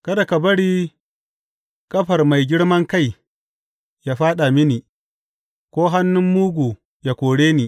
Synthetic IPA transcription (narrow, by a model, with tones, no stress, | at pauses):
kɐ˦da˨kɐ˨bɐ˦ɽiː˦ | kʼɐ˦ɸɐ˨rma˨jɡʲɪ˦ɽmɐ˦ŋka˦˨j | jaː˦ɸaː˦ɗa˨mɪ˦niː˨ | kʷoː˦ɦa˦nːʊ˦mːuː˦ɡʷu˨ | ja˨kʷoː˨ɽeː˦niː˨